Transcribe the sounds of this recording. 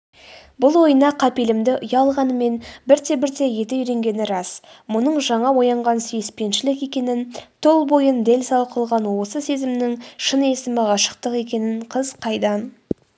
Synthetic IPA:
bʊlˠwo̞jənɑqʰɑpe̞lɪmd̪ɪʔʊjɑlˠʁɑnəme̞nbɪɾt̪e̞bɪɾt̪e̞je̞t̪ɪiɾe̞ŋɡʲe̞nɪɾɑsmʊnəɴʒɑɴɑwo̞jɑɴʁɑnsijspe̞nʃɪlɪke̞kʲe̞nɪnt̪ʰolˠbo̞jənd̪e̞lʲsɑwqʰəlˠʁɑnwo̞səse̞zɪmnɪŋʃəne̞sɪmɑʁɑʃə̥qt̪əqe̞kʲe̞nɪɴqʰəzqʰɑjd̪ɑn

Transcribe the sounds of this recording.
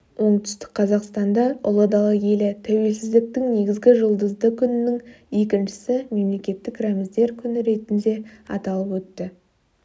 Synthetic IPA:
wo̞ɴt̪ʏ̥st̪ɪ̥k̚qʰɑzɑqst̪ɑnd̪ɑʊlˠəd̪ɑlˠəje̞lɪt̪ʰæwe̞lsɪzd̪ɪk̚t̪ɪŋne̞ɡʲɪzɡʲɪʒəlˠd̪əzd̪əkʲʰʏnɪnɪŋ | je̞kʲɪnʃɪ̥sɪme̞mle̞kʲe̞t̪ːɪkramɪzd̪e̞ɾkʲʰʏnɪɾe̞t̪ɪnd̪e̞ɑ̰t̪ɑlˠəpwɵt̪ːɪ

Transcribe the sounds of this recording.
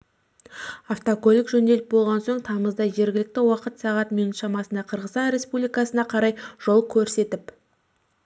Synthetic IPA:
aft̪okolʲɪkʒɵnd̪elɪp̚bo̞lˠʁɑnso̞ɴt̪ʰɑməzd̪ɑʒe̞ɾɡʲɪlɪk̚t̪ɪwɑqət̪sɑʁɑt̪minut̪ʃɑmɑsənd̪ɑqʰəɾʁəst̪ɑnɾʲe̞spublijkɑsənɑqʰɑɾɑjʒ̥o̞lˠkʲʰɵɾse̞t̪ɪp

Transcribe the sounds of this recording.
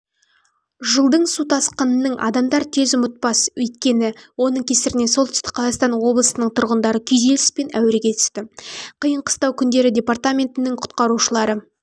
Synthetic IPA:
ʒəlˠd̪əɴsut̪ʰɑsqənənəɴʔɑ̰d̪ɑmd̪ɑɾt̪ʰe̞zʊmət̪̚pɑswɵjt̪̚kʲe̞nɪwo̞nəɴkʲʰe̞sɪɾɪne̞solˠt̪ʏ̥st̪ɪ̥kqʰːɑzɑqst̪ɑnwo̞blˠəsənəɴt̪ʰʊɾʁənd̪ɑɾəkʲʰʏjze̞lɪspe̞næwɪɾeɡʲe̞t̪ʰʏ̥st̪ɪqʰəjəɴqʰə̥st̪ɑwkʲʰʏnd̪e̞ɾɪdʲe̞part̪amʲe̞nt̪ɪnɪŋqʰʊ̥t̪qɑɾuʃəlˠɑɾə

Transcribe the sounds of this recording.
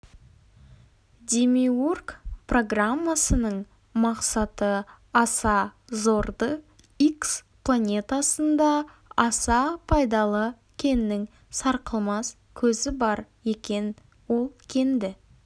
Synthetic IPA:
d̪ʲemiurkpro̞ɡramːasənəɴ | mɑqsɑt̪ə | ɑsɑzo̞ɾd̪ə | iksplˠanʲe̞t̪asənd̪ɑ | ɑsɑpʰɑjd̪ɑlˠə | kʲʰe̞nːɪŋ | sɑɾqəlˠmɑs | kʲʰɵzɪbɑɾje̞kʲe̞n | wo̞lˠkʲʰe̞nd̪ɪ

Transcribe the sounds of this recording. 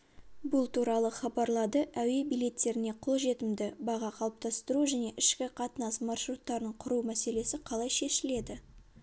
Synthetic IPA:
bʊlˠt̪ʰuɾɑlˠəχɑbɑɾlˠɑd̪əʔæwe̞bijle̞t̪ːe̞ɾɪne̞qʰo̞lˠʒe̞t̪ɪmd̪ɪbɑʁɑqʰɑlˠəp̚t̪ɑst̪əɾuʒæne̞ʔɪʃkʲɪqʰɑt̪ənɑsmɑrʃɾut̪ːɑɾəɴqʰʊɾumæse̞le̞sɪqʰɑlˠɑjʃe̞ʃɪle̞d̪ɪ

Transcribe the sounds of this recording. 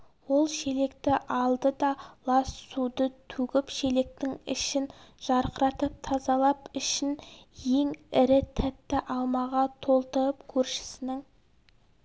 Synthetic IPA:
wo̞lˠʃe̞le̞kt̪ɪʔɑlˠd̪əd̪ɑlˠɑssud̪ət̪ʰʉɡʲɪpʃele̞k̚t̪ɪŋɪ̰ʃɪnʒ̥ɑɾqəɾɑt̪əp̚t̪ʰɑzɑlˠɑpɪʃɪnje̞ŋɪɾɪt̪ʰæt̪ːɪʔɑlˠmɑʁɑt̪ʰo̞lˠt̪əɾəpkʲʰɵɾʃɪ̥sɪnɪŋ

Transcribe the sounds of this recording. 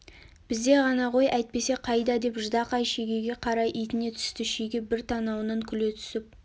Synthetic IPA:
b̥ɪzd̪e̞ʁɑnɑʁo̞jæjt̪̚pe̞se̞qʰɑjd̪ɑd̪e̞pʒʊd̪ɑqɑjʃeɡʲeɡʲe̞qʰɑɾɑjʔijt̪ɪne̞t̪ʰʏ̥st̪ɪʃeɡʲebɪɾt̪ʰɑnɑwənəŋkʲʰʏle̞t̪ʰʏ̥sɪp̚

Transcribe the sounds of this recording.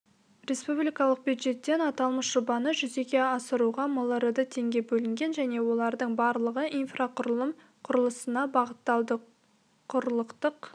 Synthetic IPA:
rʲe̞spublʲijkɑlˠəq̚bujd̪ʒe̞t̪ːe̞nɑt̪ɑlˠməsʒ̥obɑnəʒʏze̞kʲe̞ɑsəɾuʁɑməlˠəɾəd̪ət̪ʰe̞ŋɡʲe̞bɵlɪŋɡʲe̞nʒæne̞wo̞lˠɑɾd̪əɴbɑɾlˠəʁəʔinfraq | qʰʊɾəlˠəsənɑbɑʁət̪ːɑd̪ | qʰʊɾəlˠəqt̪əq

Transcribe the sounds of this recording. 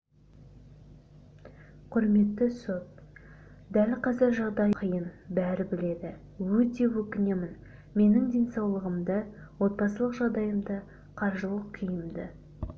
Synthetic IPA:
qʰʊɾme̞t̪ːɪso̞t̪̚ | d̪ælqʰɑzɪɾʒɑʁd̪ɑjqʰəjənbæɾɪbɪle̞d̪ɪ | wɵt̪e̞wɵkʲɪne̞mɪn | me̞nɪŋd̪ʲe̞nsɑwlˠəʁəmd̪ə | wo̞t̪̚pɑsəlˠəqʒɑʁd̪ɑjəmd̪ə | qʰɑɾʒəlˠəqkʲʰijɪmd̪ɪ

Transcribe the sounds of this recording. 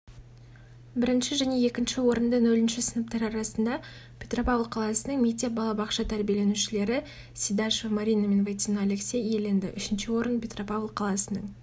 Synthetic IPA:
bɪɾɪnʃɪʒæne̞e̞kʲɪnʃɪwo̞ɾənd̪ənɵlɪnʃɪsənəp̚t̪ɑɾɑɾɑsənd̪ɑ | pʲʰet̪ropavlˠqʰɑlˠɑsənəŋmet̪ːe̞p̚bɑlˠɑbɑqʃɑt̪ʰæɾbije̞le̞nuʃɪle̞ɾɪ | sʲid̪ɑʃevmaɾʲijname̞nvat̪ʲinaaleksʲejele̞nd̪ɪ̰ʔʏʃɪnʃɪwo̞ɾənpʲʰe̞t̪ropavlˠqʰɑlˠɑsənəɴ

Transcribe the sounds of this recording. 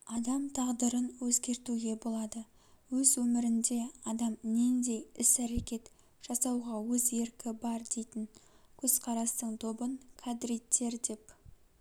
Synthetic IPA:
ɑd̪ɑmt̪ʰɑʁd̪əɾənwɵzɡʲe̞ɾt̪uɡʲe̞bo̞lˠɑd̪ə | wɵzwɵmɪɾɪnd̪e̞ɑd̪ɑmnend̪e̞jɪsæɾekʲe̞t̪ | ʒ̥ɑsɑwʁɑwɵze̞ɾkʲɪbɑɾd̪e̞jt̪ɪŋ | kʲʰɵz̥qʰɑɾɑst̪əɴt̪ʰo̞bəŋkʰad̪ɾijt̪ːe̞ɾd̪e̞p

